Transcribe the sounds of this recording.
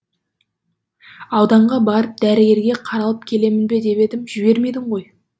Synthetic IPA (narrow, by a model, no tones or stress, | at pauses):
ɑwd̪ɑɴʁɑbɑɾəp̚d̪æɾɪɡʲe̞ɾɡʲe̞qʰɑɾɑlˠəp̚kʲʰe̞le̞mɪnbe̞d̪e̞pe̞d̪ɪmʒɪbe̞ɾme̞jd̪ɪɴʁo̞j